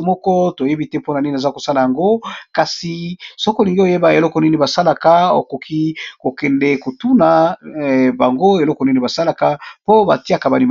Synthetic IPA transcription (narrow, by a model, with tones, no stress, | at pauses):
mɔ˦kɔ˦to˨je˦bi˦tɛ˦po˦na˨ni˦ni˨e˨za˦ko˨sa˦la˨ja˨ŋɡo˦ka˨si˨so˦ko˨li˨ŋɡi˦o˨je˦ba˨e˨lɔ˦kɔ˨ni˦ni˨ba˨sa˦la˨ka˦o̰˨ko˨kʰi˦ko˨kɛ˨ndɛ˦ko˨tu˦na˨ | ba˨ŋɡo˦e˨lɔ˦kɔ˨ni˦ni˨ba˨sa˦la˨ka˦po˦ba̰˨ti˦a˨ka˨ba˨li˨m